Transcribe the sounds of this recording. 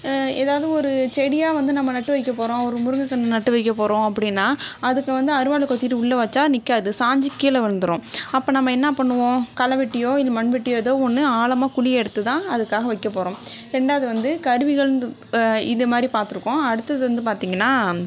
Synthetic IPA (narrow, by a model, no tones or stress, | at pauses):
eːðaːʋɐðɯɔɾɯt͡ʃɛɽɪjaːʋɐnd̪ɯnɐmːɐnɐʈːɯʋɐɪkːɐpoːɾõːɔɾɯmʊɾɯŋɡɐkːɐɳːɯnɐʈːɯʋɐɪk̬ːɐpoːɾõːɐpːɐɽɪnːaːɐðɯkːɯʋɐnd̪ɯɐɾɯʋaːɭɯkɔt̪ːiːɾɯɪɭːɐʋɐt͡ʃːaːnɪkːaːðɯsaːɲd͡ʒɪkːiːlɐʋɐɐnd̪ɯɾõːɐpːoːnɐmːɐɛnːɐpɐɳːɯʋõːkɐlɐʋɪʈːɪjoːɪlmɐɳʋɪʈːɪjoːɛðoːɔnːɯaːlɐmaːkʊɭɪjɛɽɯt̪ːɯt̪ãːɐðɯkːaːɣɐʋɐɪkːɐpːoːɾõː | ɾɛɳɖaːðɯʋɐnd̪ɯkɐɾɯʋɪɣɐɭɯ | ɪðɐmaːd̪ɾipaːɾt̪ɯɾɯkːõːɐɽɯt̪ːɐðɯʋɐnd̪ɯpaːɾt̪iːŋɡɐnːaː